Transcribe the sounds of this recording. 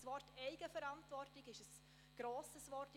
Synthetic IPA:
svɔrtʰɛɪɡ̥əfɛɾɑntvɔrtɪɡɪʃəs | ɡ̥ɾoːsəsvɔrt

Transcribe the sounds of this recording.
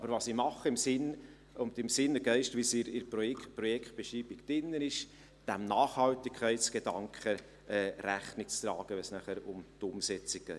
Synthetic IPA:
ɑbəɾʋɑsimɑχəɪmsɪn | ʊnd̪ɪmsɪnəɡɛɪʃtʋisɪɾɪɾpɾɔɛtpɾɔjɛkt̚b̥ɛʃiːbɪɡd̥ɪnːənɪʃ | d̥æmnɑːχhɑlt̪ɪkʰːɛɪtsɡ̥ed̥ɑŋkχə | ɛːɾæχnɪk̚t͡st̪ɾɑːɡ̥əʋɛnsnæχəɾʊmt̪ʊmsɛt͡sɪk̚ɡɛɪ

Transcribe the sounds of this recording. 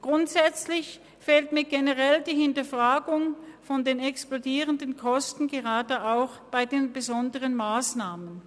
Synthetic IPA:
ɡ̥ʁʊntz̥ɛt͡slɪç | feːltmiːɐɡenəʁɛldiːhɪntɐfʁ̥aːɡʊŋfɔndeːnɛksplodiːʁəndənkʰɔstn̩ɡeʁaːdəʔaʊxb̥aɪdeːnbəzɔndəʁənmaːsnaːmən

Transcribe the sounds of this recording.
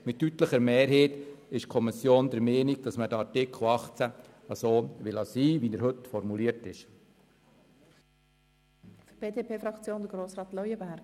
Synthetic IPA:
mɪttːyt̪ləχəɾmeːɾɦeːtɪʃkʰɔmɪsjoːnd̪əɾmeːniɡ̥̚d̥ɑsmədəɾɑɾtɪkχl̩ˠɑχt͡sæ | ɑsoːʋɪlɑsiːʋinəɾɦɵt̪fɔɾmuliəɾtɪʃ | fb̥eːdepʰeːfɾɑkt͡sjoːnd̪əɡɾoːsʁɑːt̪lɔjəbæɾɡ̥

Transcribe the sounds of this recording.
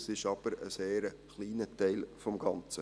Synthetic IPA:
sɪʃɑb̥əɾəseːɾə | χliːnətɛɪlfɔmɡɑnt͡sə

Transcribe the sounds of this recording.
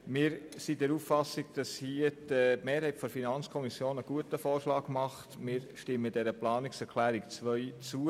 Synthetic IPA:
mɪːɾsid̥ɛɾuffɑsɪɡ̥̚d̥ɑshiəd̥əmeːɾhɛɪtfɔfinɑnt͡skʰɔmisjoːnəɡ̥uətəfoːrʃlɑːɡmɑχtmɪːɾʃtɪmːəd̥ɛɾəplɑːnɪksɛɾkʰlæːɾɪkt͡sʋœʏt͡suə

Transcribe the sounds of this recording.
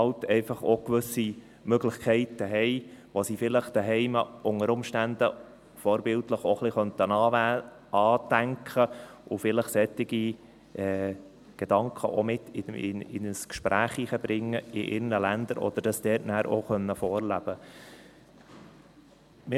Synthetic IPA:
ɑlt̪ɛɪfɑχokʋɵsi | møɡlɪχkʰɛɪt̪əɦɛɪʋosifɪləχd̪̥æɦɛɪməʔʊŋəɾʊmʃtænd̪ə | fɔːɾbɪltləχoχliχœnt̪ənɑ | ɑːt̪æŋkχəʔʊfɪləχsɛt̪ːɪɡi | ʔɛ | ɡ̥ed̥̪ɑŋkʰχəʔomɪt̪ːɪɪɪ̰nəskʃpɾʔæːχiχəb̥ɾɪŋːəɪʔɪ̰ɾnəlænd̪əɾʔɔ̰d̥̪əɾd̥ɑsd̥̪ɛːtnæːɾʔo̰χœnːəfɔːɾlæb̥ə | mɪ

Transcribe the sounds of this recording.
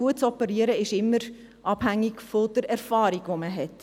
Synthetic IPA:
uətt͡sɔpəɾiəɾəɪʃɪmːəɾ | ʔɑb̥hæŋːiɡfɔd̥̪əɾɛɾfɑːɾiɡ̥ʋoməɦɛt

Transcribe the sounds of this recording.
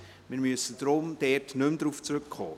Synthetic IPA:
miːɾmyəsəd̥ɾʊmd̥ɛtnʏmdɾuːft͡sɾʏkːʰɔ̰ː

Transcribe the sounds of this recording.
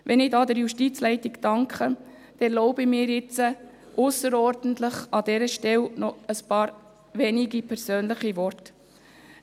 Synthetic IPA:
ʋɛnɪdɑdəɾjuʃtit͡slɛɪtɪɡd̥ɑŋkʰχə | d̥ɛloʊbɪmɪːɾjɪt͡sə | ʔʊsəɾɔɾdən̩tlɪχɑdɛɾəʃtɛlnɔəspɑːɾ | vɛniɡipʰɛɾsøːnlɪχivɔrt

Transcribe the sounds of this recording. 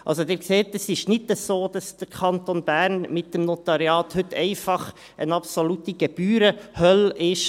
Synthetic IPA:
ʔɑ̰ls̬odɪːɾkseːtəsɪʃnɪtəsoːd̥ɑsd̥əɾkʰɑntonb̥æːɾnmɪt̚dəmnot̪ɑɾiɑːthʏtʰɛɪfɑχ | ʔə̰nɑpsolutiɡɛb̥yːɾəhœlɪʃ

